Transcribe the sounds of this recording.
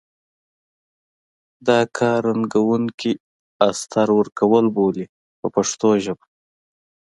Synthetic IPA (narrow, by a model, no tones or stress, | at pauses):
d̪ɑkʰɑɾaŋɡawuŋkʰi | ast̪ʰaɾwəɾkawəlboli | pəpaʂt̪oʒəb